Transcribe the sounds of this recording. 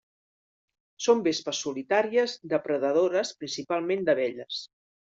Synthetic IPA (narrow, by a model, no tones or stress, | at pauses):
sombespəsːulit̪aɾiəzd̪əpɾəðəð̞oɾəspɾinsipalˠmend̪əβɛʎəs